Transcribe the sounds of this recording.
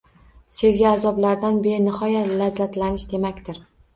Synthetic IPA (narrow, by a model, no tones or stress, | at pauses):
se̞lɡʲaːzɒblaɾd̪anbe̞ɾɪnɪhɒjat̪lazːat̪lanɪʃd̪e̞makʲt̪ɪɾ